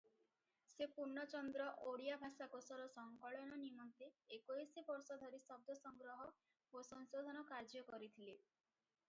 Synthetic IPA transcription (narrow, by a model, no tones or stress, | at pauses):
sepuɾɳɔt͡ʃɔnd̪ɾɔʔoɽijabʱasakosɔɾɔsɔŋkɔɭɔnɔnimɔnt̪eːkoisebɔɾsɔd̪ʱɔɾisɔb̚d̪ʱɔsɔŋɡɾɔɦɔ | osɔnsod̪ʱɔnɔkaɾd͡ʒɔkɔɾit̪ʰile